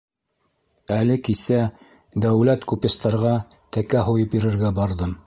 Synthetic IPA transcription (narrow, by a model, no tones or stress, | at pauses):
ælɘkisæ | d̪æwlæt̪kupɘ̆st̪ɑɾʁɑ | t̪ækæɦujɤpjɘ̆ɾɘ̆ɾɡæbɑɾðɤm